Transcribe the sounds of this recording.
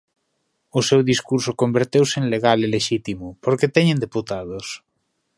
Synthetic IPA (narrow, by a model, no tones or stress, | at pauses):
ʊsewðiskuɾsʊkombeɾt̪ewseenleɣaleleʃit̪imʊpoɾket̪ɛɲẽnd̪eput̪aðos